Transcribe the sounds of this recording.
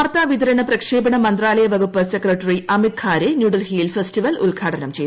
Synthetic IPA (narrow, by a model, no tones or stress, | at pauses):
ɐrt̪aːʋid̪ɐɾɐɳɐprɐkʂe̞ːbɐɳɐmɐnd̪raːlɐjɐʋɐɡupːɐsekrɐʈːɐriʔɐmit̪̚kʰaːɾenjuːɖɐlhiːlfestiʋɐlṵlɡʱaːʈʰɐnɐmt͡ɕej